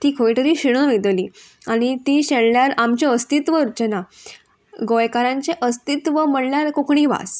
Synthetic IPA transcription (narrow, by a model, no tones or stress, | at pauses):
t̪iːkʰoiʈ̪əɾiːɕiɽ̃əʋed̪liː | aɽ̃it̪iːɕeɭljaɾamt͡ɕeəst̪it̪ʋəɾt͡ɕəna | ɡojkaɾãɲt͡ɕeʔəst̪it̪ʋəm̤əɽljaɾkokɳiʋa̰s